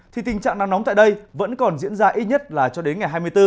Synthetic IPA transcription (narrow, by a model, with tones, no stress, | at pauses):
t̪ʰi˨˩t̪i˨˩ŋ̟t͡ɕa̰ː˧˨ŋna˧ŋnɔ˨˦ŋ͡mt̪a̰ː˧˨ɗə˧jvə̰˧˥nkɔ˨˩nzḭ˧˥ənzaː˧ʔi˦˥t̚ɲə˦˥t̚laː˨˩t͡ɕɔ˧ɗe˨˦nŋa˨˩jɦaː˧jmɨ˧əjt̪ɨ˧